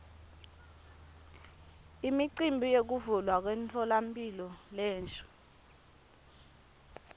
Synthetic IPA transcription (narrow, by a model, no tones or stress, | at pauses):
imiǀimbʱijok̬uvulwak̬wɛnt͡ɬʰɔlampʼilɔlɛːnt͡ʃʼu̥